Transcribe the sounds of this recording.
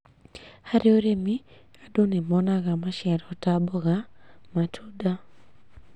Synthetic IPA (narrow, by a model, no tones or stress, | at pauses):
haɾioɾemi | adonemɔnaɣamaʃɛɾɔtabɔɣamatʰuda